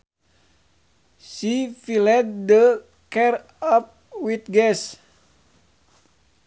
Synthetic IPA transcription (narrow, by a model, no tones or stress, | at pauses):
sifilɛd̪̚də | kɛr | ɔp̚ | wit̪̚ɡɛs